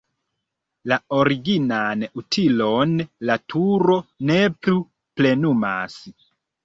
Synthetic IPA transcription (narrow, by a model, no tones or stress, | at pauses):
lao̞ɾiɡinanutʰilo̞nlatʰuɾo̞neplu | ple̞numa̰s